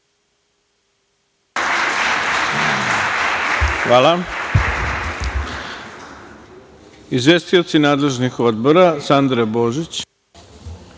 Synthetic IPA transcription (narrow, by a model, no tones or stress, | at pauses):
xʋaːlˠa | izʋjest̪io̞t̪sinaːd̪le̞ʒnixo̞d̪̚bo̞ɾasand̪ɾeboːʒit͡ɕ